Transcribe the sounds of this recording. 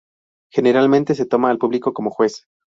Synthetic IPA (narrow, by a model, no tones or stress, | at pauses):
xe̞ne̞ɾalmẽnt̪e̞s̬e̞t̪o̞maːlpuβliko̞ko̞moxwe̞s